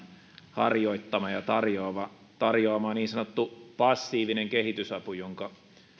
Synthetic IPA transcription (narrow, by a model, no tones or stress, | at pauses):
hɑ̰rjoit̪ːɑmɑjɑt̪ɑrjoːʋɑ | t̪ɑrjoɑmɑːniːnsɑnot̪ːupɑsːiːʋineŋkehit̪ysɑpujoŋkɑ